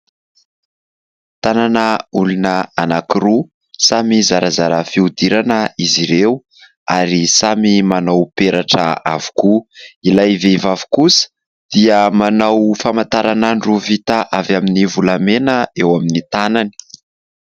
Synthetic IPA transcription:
t̪ananəulunəanakiɾu | samizaɾazaɾəfiud̪iɾanəiziɾew | aɾisamimanawpeɾaʈ͡ʂə̰a̰v̥u̥kuilajvevavu̥kusə̥ | d̪̥iəmanawfamant̪aɾanaɳɖ͡ʐuvit̪aʔavaminivulamenəewaminit̪anani̥

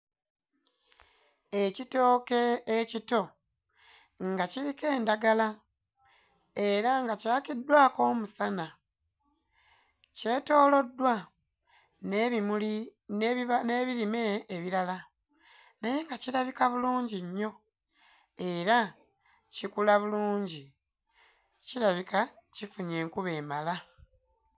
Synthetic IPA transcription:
ecito̞ːke̞ːcito̞ | ŋɡacilike̞ːndaɡala | e̞ɾaŋɡacaːkidwaːko̞ːmusana | ce̞ːto̞ːlo̞dːwa | nmuli | aneːβilime̞ːβiɾala | naje̞ŋɡaciɾaβikaβuluːɲɟiɲːo̞ | e̞ɾa | cikulaβuluːɲɟi | ciɾaβikacifuɲe̞ːŋkuβe̞ːmala

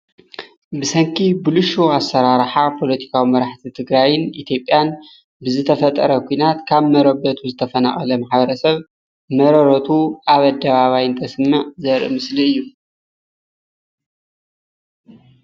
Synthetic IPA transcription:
bɨsɐŋkʰibuluʃoasːɐɾaɾħapʰo̞lɐt̪ʰi̥kʰawimɐɾaħt̪ʰit̪ʰɨɡɾajɨnit̪ʰjo̞pʼːjan | bɨzɨt̪ʰɐfɐt̪ʼːɐɾɐkʰʷuinat̪kʰaβmɐɾɐβɐt̪ʰuzɨt̪ʰɐfɐna̰χʼɐlɐmaħbɐɾɐsɐβ | mɐɾɐɾɐt̪ʰuʔaβɐd̪ːɐβaβajɨnt̪ʰɐsɨmːaʕzɐɾmɨsliɨjːu

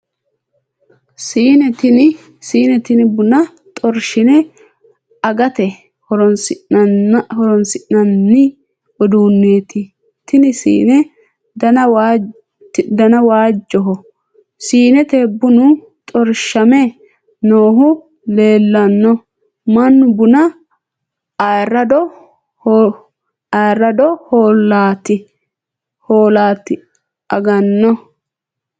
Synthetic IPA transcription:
siːnɛt̪ɪnɪ | siːnɛt̪ɪnɪbʊnɐ | t̪ʼɔɾʃɪnɛ | ɐɡɐt̪ɛ | hɔɾɔs | hɔɾɔnsɪʔɐnːɪ | ɔd̪uːnːeːt̪ɪ | t̪ɪnɪsḭːnɛ | dɐɐw | d̪ɐnɐwaːd͡ʒːɔɦɔ | siːnɛt̪eːbːʊnʊ | t̪ʼɔɾʃɐmɛ | noːɦʊ | le̞ːlːɐnːɔ | mɐnːʊbʊnɐ | ɐrːɐd̪ɔ | ɐrːɐd̪ɔhoːlːaːt̪ɪ | hoːlaːt̪ɪ | ʔɐɡɐnːɔ

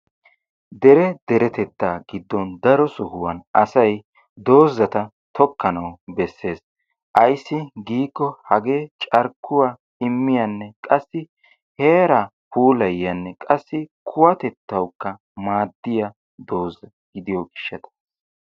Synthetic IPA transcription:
d̪ɛɾɛd̪ɛɾɛt̪ɛt̪ːaːɡɪd̪ːɔnd̪ɐɾɔsʊhʊwɐnɐsɐj | d̪o̞ːzːɐt̪ɐ | t̪ʰɔkːɐnɐwbɛsːe̞ːs | ʔɐjsːɪɡiːkːɔhɐɡe̞ːt͡ʃʼɐɾkːʊwa | ɪmːɪjɐnːɛkʼɐsːɪ | he̞ːɾɐ | puːlɐjːɐnːɛkʼɐsːɪkʰʊwɐt̪ɛt̪ːɐwkːɐ | maːd̪ːɪjɐ | d̪o̞ːzːɐ | ɡ̥ɪd̪ɪjɔɡɪʃːɐt̪ɐ̥

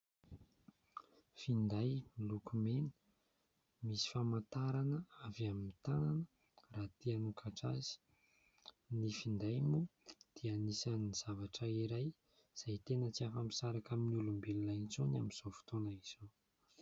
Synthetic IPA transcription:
find̪ajmilukumenə̥ | misi̥famant̪aɾanəavaminit̪ananə | raːt̪ianukʰaʈ͡ʂazi̥ | nifind̪ajmud̪̥ianisanniz̥avaʈ͡ʂəiɾaj | z̥ajt̪enət͡siafami̥saɾakaminulumbelilant͡sonamiz̥ofu̥t̪onaiz̥o

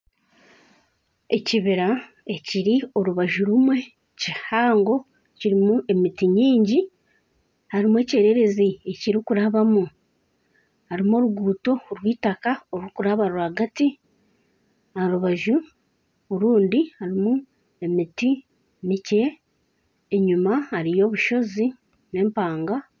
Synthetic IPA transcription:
e̞ciβiɾa | e̞ciɾio̞ɾuβaʒuɾumwe̞ | cihaːŋɡo̞ | ciɾimue̞mitiɲiːɲɟi | haɾimue̞ce̞ɾe̞ɾe̞zie̞ciɾikuɾaβamu | haɾimo̞ːɾuɡuːto̞ɾwiːtakaoɾwukuɾaβaɾuwaːɡati | aɾuβaʒu | oɾuːndihaɾimu | e̞miti | mice̞ː | ɲumaaɾijo̞ːβuʃo̞zi | ne̞ːmpaːŋɡa

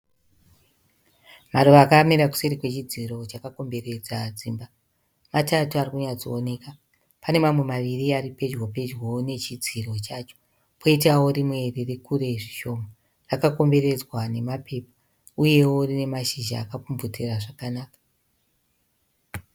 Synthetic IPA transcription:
maɾuʋaːkamiɾaku̥seɾikwe̞t͡ʃid͡ziɾo̞t͡ʃakako̞mbe̞re̞d͡zad͡ziːmba | matatuarikuɲad͡zoone̞ka | pane̞mamwe̞maʋiriaɾipe̞d͡ʒwope̞d͡ʒwone̞t͡ʃid͡ziro̞t͡ʃat͡ʃo̥ | pʰoitawo̞rimwe̞rirekuɾe̞ʐi̥ʃo̞ːma | rakako̞mbe̞ɾe̞d͡zwane̞mapʰe̞ːpa | uje̞worine̞maʃiʒa̰ːkapumvutiraʐakanaːkḁ

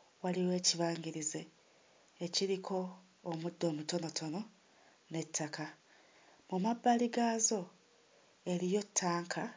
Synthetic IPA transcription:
waliwe̞ːciβaːŋɟiɾize̞ː | ciɾikʰo̞ː | mudːo̞ːmuto̞no̞tʰo̞no̞ | ne̞tʰːaka | mumabːaliɡaːzo̞ | e̞ɾijo̞tʰːaːŋkʰa

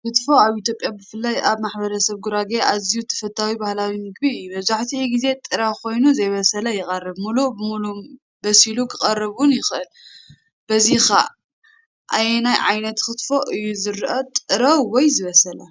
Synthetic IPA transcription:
kɨt̪fo̞aβʔit̪ʰʲjo̞pʼjabɨfɨlːajʔaβmaħbɐɾɐsɐβɡuɾaɡeʔazijut̪ʰɐ̥fɐt̪ʰːawibahlawimɨɡ̚biɨjːubɐzaħt̪ʰiiɡize̞t̪ʼɨɾakʰo̞jnuzɐjβɐsɐlɐjɪχʼɐrːɨβmulubɨmulum | bɐsilukʰɨχʼɐrɨβunjɪxɨʔɨl | b̥ɐzixa̰ | ʔajnajʕajnɐt̪kɨt̪fo̞ʔɨjːuzɨɾʔot̪ʼɨɾɐwwɔjzɨβɐsɐlɐ

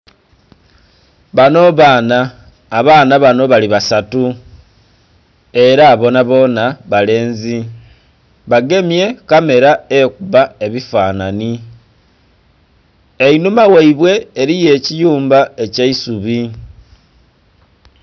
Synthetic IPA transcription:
βano̞βaːnaː | βaːnaβano̞βaliβasatu | e̞ɾaβo̞naβo̞ːnaβale̞ːnzi | βaɡe̞mje̞kame̞ɾaekuβae̞βifaːnani | e̞inumawaiβwe̞ːɾije̞ːcijuːmbae̞caisuβi

